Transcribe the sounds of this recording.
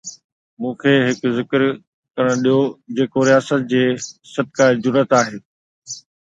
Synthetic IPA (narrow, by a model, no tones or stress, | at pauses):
mũːkʰeːɦɪkzɪkɾ | kɐɽə̃ɽ̃ɗijod͡ʑeːkoɾijaːsət̪̚d͡ʑeːsɐd̪̚kaːd͡ʑʊɾət̪aːɦeː